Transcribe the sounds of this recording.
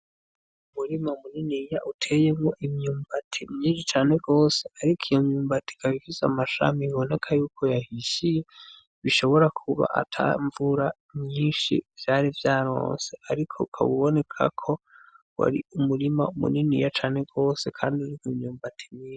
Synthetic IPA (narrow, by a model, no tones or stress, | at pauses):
umuɾimaumuninijaʔutʰe̞je̞mɡoʔimɲuːmbatʰimɲiːnʃit͡ʃaːne̞ɡo̞ːse̞aɾikʰijo̞mɲuːmbati̥kaβifizeamaʃa̰miiβo̞ne̞kʰajuːkʰo̞jahiʃije̞ | βiʃo̞βo̞ɾakʰuβa̰ʔa̰tʰa̰ɱvuɾa | mɲiːnʃḭv̥jaɾivjaːɾo̞̰ːnse̞aɾikʰo̞ukʰa̰βuβo̞ne̞kʰa̰kʰo̞ | wa̰ɾiumuɾima̰umṵninḭjat͡ʃaːne̞ɡo̞ːse̞kʰaːndiuɾikimɲuːmbatʰimɲiːʃi